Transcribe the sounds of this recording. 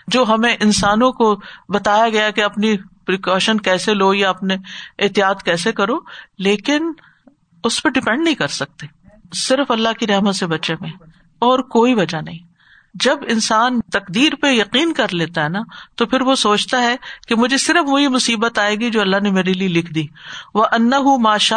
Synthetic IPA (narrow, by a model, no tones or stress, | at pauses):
d͡ʒoːɦɐmẽʔɪnsaːnõkobɐt̪aːjaɡɐjakeɐpnipɾiːkɔːʃənkɛːseloːjaɐpneɪːt̪ijaːt̪kɛːsekɐɾoːleːkɪn | ʊspeɖɪpɛ̃ɳɖnɐɦĩkɐɾsɐk̚t̪eː | sɪɾəfɐlːaɦkiɾɛɦmət̪sebɐtːʃemẽ | ɔːɾkoːiʋɐd͡ʒanɐɦĩ | d͡ʒɐbɪnsaːnt̪ɐqd̪iːɾpejɐqiːnkɐɾleːt̪aɦɛnat̪opʰɪɾʋosoːt͡ʃt̪aɦɛkemʊd͡ʒʱesɪɾəfʋoɦimʊsiːbət̪aːeːɡid͡ʒoːɐlːaɦnemeːɾelielɪkʰd̪iːʋɐʔɐnːɐɦʊmaːʃa